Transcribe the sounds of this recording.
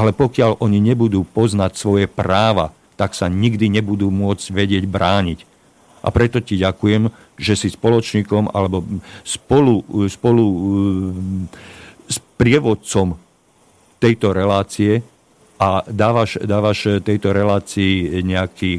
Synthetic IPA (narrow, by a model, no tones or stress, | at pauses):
ʔalɛpɔkɪaʎʔɔɲiɲɛbud̪uːpɔznacsʋɔjɛpɾaːʋa̰ | t̪aksaɲiɡd̪iɲɛbud̪uːmʊɔd͡zɟʋɛɟɪɛɟbɾaːɲic | ʔa̰pɾɛt̪ɔciɟakujɛm | ʒɛsispɔlɔt͡ʃɲiːkɔma̰lɛbɔspɔluspɔlu | spɾɪɛʋɔt̪̚t͡sɔm | t̪ɛjt̪ɔɾɛlaːt͡siɛ | ʔad̪aːʋaʃd̪aːʋaʃt̪ɛjt̪ɔɾɛlaːt͡siːɲɛakiː